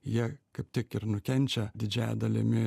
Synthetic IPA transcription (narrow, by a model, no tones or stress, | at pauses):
jiɛkɐɪp̚t̪ʲɪkɪɾnʊkʲɛnʲt͡ʃʲɛd̪ʲɪd͡ʒʲæjɛ̰d̪ɐlʲɪmʲɪ